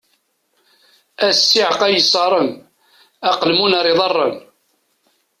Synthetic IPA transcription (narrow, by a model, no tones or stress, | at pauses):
æsːiʕqæjəsˤɑɾˤən | ɑqəlmunɑɾˤiðˤɑrˤːən